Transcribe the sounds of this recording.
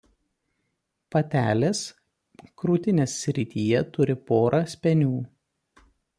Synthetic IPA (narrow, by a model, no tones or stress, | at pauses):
pɐt̪ʲæːlʲeːs | kɾuːt̪ʲɪnʲeːsːʲɾʲɪt̪ʲiːjɛt̪ʊɾʲɪpoːɾʔɑːsʲpʲɛnʲuː